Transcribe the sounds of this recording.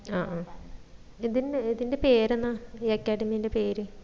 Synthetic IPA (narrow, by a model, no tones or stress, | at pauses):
aːʔa | iðiniðinde̞peːɾenːɨjekːaːɖimijinde̞peːɾɨ